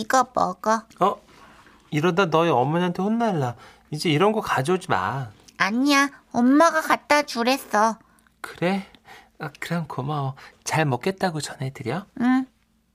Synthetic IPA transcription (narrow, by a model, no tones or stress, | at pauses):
iɡʌpʌ̰kʌʌ | iɾʌdanʌiʌmːʌɲaɦantʰeɸonːaɭːa | id͡ʑe̞iɾʌnɡʌkad͡ʑod͡ʑima̰naɲiaʌmːaɡakat̚t͈at͡ɕuɾe̞s͈ʌ | kɯɾe̞ | akɯɾankʰomaʌt͡ɕaɭmʌk͈e̞t̚t͈aɡot͡ɕʌnɦe̞dɯɾijʌɯ